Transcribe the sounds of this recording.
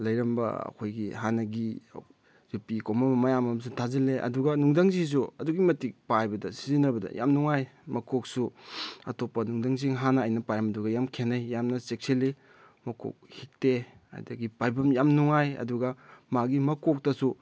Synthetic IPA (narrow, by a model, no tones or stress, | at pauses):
lɐjɾɐmbɐ̰ɐ̰kʰojɡihanɐɡḭ | zupikomɐmɐmɐjamɐms̬itʰazileʔɐ̰duɡɐnuŋdaŋzis̬uɐduɡimɐtik̚pajbɐdɐsizinɐbɐdɐ̰ja̰mnuŋajmɐkok̚suɐ̰topːɐnuŋdaŋziŋɦanɐːjnɐpajɾɐmɐduɡɐjamkʰenajːamnɐsek̚seli | mɐko̰k̚hik̚te | a̰jdɐɡipajbɐmjamnuŋajɐ̰duɡɐmaɡimɐkok̚tɐsu